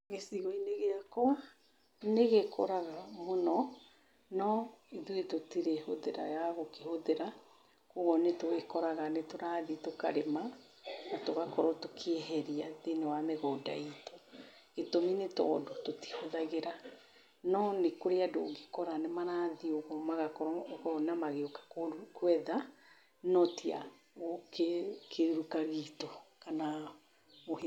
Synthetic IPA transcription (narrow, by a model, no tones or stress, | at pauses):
ɣesiɣɔineɣeakɔa | neɣekʰo̰ɾaɣamonɔ | nɔiðuetotiɾehoðeɾa̰jaɣokehoðeɾa | kuɣɔnetoekɔɾaɣanetoɾaːðitoka̰ɾema | natoɣakɔɾɔtokʰeɦɛɾiaðenewameɣɔda̰itɔ | etominetɔ̰ːdototi̥hoðaɣeɾa | nɔnekoɾeado̰ɡekɔɾanemaɾaðioɣɔmaɣakɔɾɔɣɔnamaɣeokḁkkwɛða | nɔtia̰ | ɣokekʰeɾukaɣiːtɔkana | moh